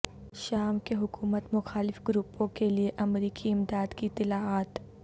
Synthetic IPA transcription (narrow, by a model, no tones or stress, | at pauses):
ʃaːmkeɦʊkuːmət̪mʊxaːlɪfɡɾupːõkelieʔɐmɾiːkʰiɪmd̪aːd̪kit̪ɪlaːaːt̪